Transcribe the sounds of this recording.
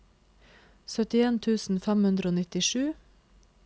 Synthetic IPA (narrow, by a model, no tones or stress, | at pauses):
sœt̪ɪeːnt̪ʰʉːsn̩fæmhʉnd̪ɾəoːnɪt̪ɪʃʉː